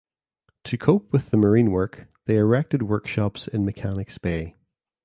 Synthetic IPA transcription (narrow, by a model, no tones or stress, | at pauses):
tʰəkʰoʊp̚ʰwɪðəmə˞ĩnwɜ˞kðeɪɹɛk̚tɪd̚wɜ˞kʃɔpsɪ̃nməkʰanɪkspe